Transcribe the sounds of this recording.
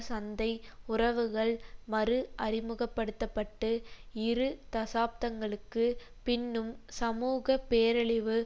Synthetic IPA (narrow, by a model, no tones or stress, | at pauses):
sɐnd̪ɐɪʊrɐʋɯɣɐɭmɐɾɯʔɐrɪmɯɣɐpːɐɽɯt̪ːɐpːɐʈːɯɪɾɯt̪ɐsaːp̚t̪ɐŋɡɐɭɯkːɯ | pɪnːɯmsɐmuːɣɐpeːɾɐɭɪʋɯ